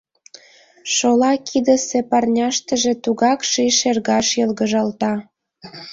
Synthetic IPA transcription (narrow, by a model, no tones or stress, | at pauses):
ʃolɑkʰid̪ə̆sepɑrnʲɑʃt̪ə̆ʒĕt̪uɣɑkʃiʃerɣɑʃjɤlɣə̆ʒɑlt̪ɑ